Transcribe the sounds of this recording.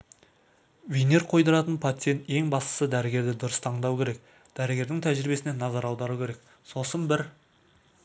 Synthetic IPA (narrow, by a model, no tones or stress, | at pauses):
veneɾqʰo̞jd̪əɾɑt̪ənpʰat̪sijent̪je̞ŋbɑst̪ə̥səd̪æɾɪɡʲe̞ɾd̪ɪd̪ʊɾəst̪ʰɑɴd̪ɑwkʲʰe̞ɾek | d̪̥æɾɪɡʲe̞ɾd̪ɪŋt̪ʰæʒɾɪbe̞sɪnenɑzɑɾɑwd̪ɑɾukʲʰeɾe̞k̚ | so̞sənbɪɾ